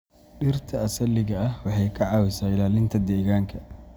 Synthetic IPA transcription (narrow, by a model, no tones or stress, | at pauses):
ɗɪrt̪ʰɐɐsɐlːɪɣɐɐhwɑħɛjkʰɐʕɑːwɪsaːɪlaːlɪnt̪ʰɐd̪ɛːɣaːŋkʰɐ